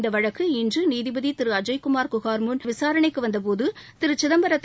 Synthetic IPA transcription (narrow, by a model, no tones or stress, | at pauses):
nd̪ɐʋɐɻɐkːɯɪndrɯniːðɪbɐðit̪ɪɾɯɐd͡ʒɐɪkʊmaːɾkʊɣaːɾmunʋɪsaːɾɐɳɐɪkːɯʋɐnd̪ɐpoːðɯt̪ɪɾɯt͡ʃɪðɐmbɐɾɐt̪ː